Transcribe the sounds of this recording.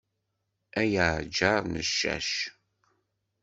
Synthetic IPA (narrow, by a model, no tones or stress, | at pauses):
æjad͡ʒaɾˤnəʃːæ̰ʃ